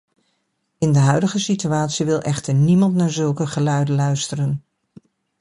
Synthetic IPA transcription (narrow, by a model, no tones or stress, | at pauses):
ɪndəɦœɥdəχəsityaːtsiʋɪlˠʔɛχtəɹnimɑntnaːɹzɵlˠkəχəlœɥdəlœɥstərən